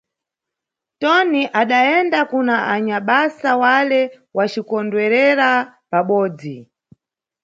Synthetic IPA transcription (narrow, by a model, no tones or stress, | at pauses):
tɔniʔaɗaɛndakunaʔaɲaɓasawalɛ | wat͡ʃikɔndwɛɾɛɾapaɓɔːd͡zi